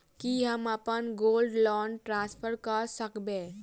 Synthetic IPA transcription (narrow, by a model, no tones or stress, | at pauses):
kiɦəmapənɡoːlɖlɔːɳɖʈɾãːnspʰəɾkəɾsəkbẽ